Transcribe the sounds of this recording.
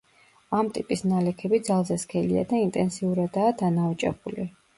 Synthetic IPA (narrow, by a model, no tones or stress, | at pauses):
amt̪ʼipʼisnalɛkʰɛbid̪zalˠzɛskʰɛlia̰d̪aint̪ʼɛnsiuɾad̪aːd̪anaut͡ʃʼɛ̰buli